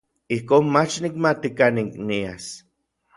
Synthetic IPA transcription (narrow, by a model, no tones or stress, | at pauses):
ihkoːnmat͡ʃnik̚mat̪ikaniknias